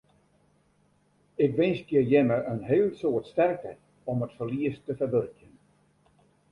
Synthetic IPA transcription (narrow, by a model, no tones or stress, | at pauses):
ɪkʋɪnskjəjɛməʔənɦeːlsoətstɛrk̚tʰɛ | ɔmətfərliəstːəfərʋørkjən